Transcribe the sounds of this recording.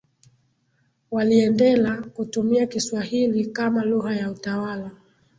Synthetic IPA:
waliɛndɛlakutumiakiswahilikamaluɣajautawala

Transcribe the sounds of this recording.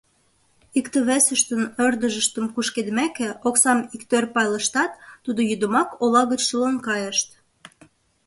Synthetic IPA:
ikt̪ə̆βæsə̆ʃt̪ənørd̪əʒə̆ʃt̪ə̆mkuʃked̪mækĕoksɑmikt̪ørpɑjlə̆ʃt̪ɑt̪ːud̪ojyd̪əmɑkolɑɣət͡ɕʃəlonkɑjəʃt̪

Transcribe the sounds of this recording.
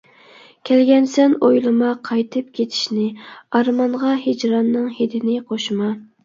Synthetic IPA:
kʲʰælɡʲɛnsɛnojlˠɨmɑqʰɑjt̪ʰɨp̚kʲʰet̪ʰɪ̥ʃnɪɑɾmɑɴʁɑhed͡ʒɾɑnːɨŋhed̪ɪnɪqʰoʃmɑ

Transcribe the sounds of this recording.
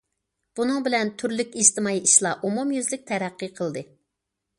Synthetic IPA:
b̥unɨŋbɪlɛnt̪ʰyɾlykʲizt̪ɨmɑiʔiʃlˠɑʔumumjyzlɪk̚ʲt̪ʰɛɾæqːɨqʰəlˠd̪ɨ

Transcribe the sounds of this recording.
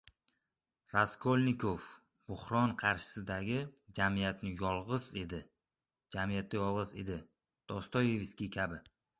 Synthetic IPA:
ɾaskʰolʲnɪkʰof | b̥ʊhɾɒnqʰɑɾʃɪ̥sɪd̪aɡʲɪd͡ʒamijat̪nɪjɒlˠʁɨzed̪ɪ | d͡ʒamɪjat̪̚ːajɒlˠʁɨze̞d̪ɪ | d̪̥ɒst̪ɒjevskʲikʲʰabɪ

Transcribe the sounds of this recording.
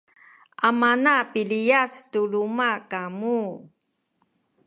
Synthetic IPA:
ʔamanapilijastulumakamu

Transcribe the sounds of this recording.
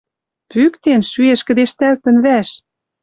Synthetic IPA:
pykt̪enʃyeʃkɘ̆d̪eʃt̪ælt̪ə̆nβæʃ

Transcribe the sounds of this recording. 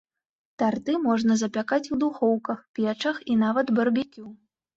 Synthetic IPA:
t̪art̪ɨmɔʐnɐzɐpʲakat͡sʲuwd̪uxɔwkɐxpʲɛt͡ʂɐxinavɐd̪bɐrbʲikʲu

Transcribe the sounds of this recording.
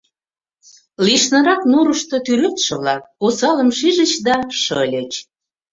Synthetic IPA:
liʃnə̆ɾɑknuɾəʃt̪ot̪yɾøt̪ʃə̆βlɑk̚ːusɑləmʃiʒət͡ɕd̪ɑʃɤlʲət͡ɕ

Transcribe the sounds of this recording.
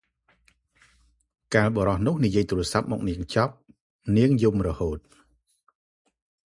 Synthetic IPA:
kaːlɓɑɾɑhnʊ̆əhnijiəjt̪uːɾɨəsap̚mɔ̰ːk̚niəŋt͡ɕɑp̚ | niəŋjumrɔhoːt̪̚

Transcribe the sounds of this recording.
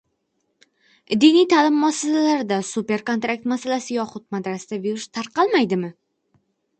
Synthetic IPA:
d̪inijt̪ʰalɪmːasalalaɾɪd̪asupe̞ɾko̞nt̪ɾak̚t̪masalasɪjɒχʊt̪̚mad̪ɾasɪd̪abeɾɪʃt̪ʰaɾqɑlˠmajd̪ɪmɪ

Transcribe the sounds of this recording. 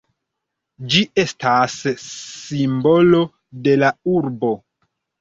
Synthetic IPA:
d͡ʒie̞stassimbo̞lo̞ | de̞lauɾbo̞

